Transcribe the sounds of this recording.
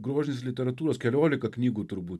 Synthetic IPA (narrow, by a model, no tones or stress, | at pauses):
ɡɾɔʒʲnʲislʲit̪ʲɛɾɐt̪uɾɐskʲɛlʲɔlʲikɐknʲiɡut̪uɾbu